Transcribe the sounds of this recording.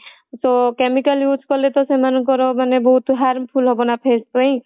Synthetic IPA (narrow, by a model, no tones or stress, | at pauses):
sɔkemikaljuskɔlet̪ɔsemanukɔɾɔmanebɔɦut̪ɦaɾmpʰulɦɔbɔnapʰest̪ɔĩ